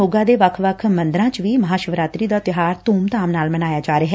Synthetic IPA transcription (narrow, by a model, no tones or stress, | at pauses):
oːɡãːd̪eːʋəkʰʋəkʰmə̃nd̪ɾãːt͡ʃʋiːməɦaːʃəʋɾaːt̪ɾiːd̪aːt̪ɪɦaːɾt̪uːmt̪aːmnaːlmənaːjaːd͡ʒaːɾeɦɛ